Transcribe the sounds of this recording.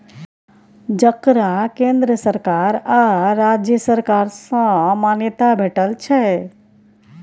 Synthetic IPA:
d͡ʒəkɾãkẽnd̪ɾəsəɾkaɾaɾad͡ʒjəsəɾkaɾsə̃manjət̪abʱeʈəlt͡ʃʰɛ

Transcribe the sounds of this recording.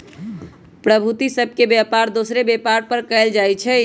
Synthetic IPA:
pɾəbʱut̪isəb̚ʱkebjapaɾd̪osɾebjepaɾpəɾkəɪld͡ʒajt͡ʃʰɛ

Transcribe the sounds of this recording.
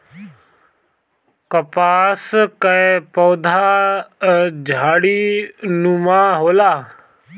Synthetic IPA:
kəpaːskəepɔːd̪ʱaː | d͡ʒʱaːɽiːnũmãːɦoːlaː

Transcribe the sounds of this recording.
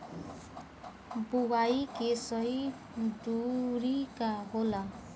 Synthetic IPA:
buwajkesʌj | duɾikaɦola

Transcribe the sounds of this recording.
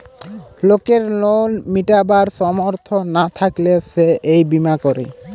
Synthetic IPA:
lokeɾlolmiʈabaɾsɔmoɾt̪ʰɔnat̪ʰakleseʔejbimakɔɾḛ

